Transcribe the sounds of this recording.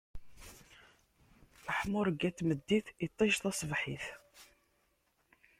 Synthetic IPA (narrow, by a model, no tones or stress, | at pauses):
əħmʊɾəɡːæt̪ːməd̪ːiθit̪ˤːiʃθæsˤvħiθ